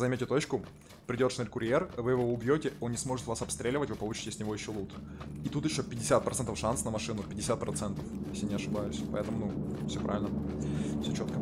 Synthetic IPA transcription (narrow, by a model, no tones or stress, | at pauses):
zɐmʲetʲɪt̪o̞t͡ɕkʊ | pɾʲɪdʲo̞t̪ʂnʲelʲkʊɾʲjervɨjɪvoʊbjotʲɪo̞nnʲɪsmo̞ʐɨt̪vasɐpst̪ɾʲelʲɪvətʲvɨpɐlˠut͡ɕɪ̥tʲɪsʲnʲɪvo̞jɪɕːo̞lˠut̪ | it̪ut̪jɪɕːopʲɪdʲɪsʲat̪̚pɾɐt̪ɛnt̪əfʂansnəmɐʂɨnʊpʲɪdʲɪsʲat̪̚pɾɐt̪sɛnt̪əfjesʲlʲjanʲɪɐʂɨbajʊsʲpɐ̰ɛt̪əmʊnufsʲopɾʔa̰vʲɪlʲnəfsʲot͡ɕo̞t̪̚kə